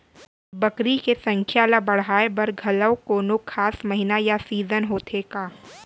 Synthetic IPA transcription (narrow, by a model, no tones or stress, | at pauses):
bɐkɾikesɐ̃ŋkʰjalabɐɽɦaːebɐɾɡʱɐləʋkoːnokʰaːsmɐɦɪnajasiːzənɦoːt̪ʰeːkaː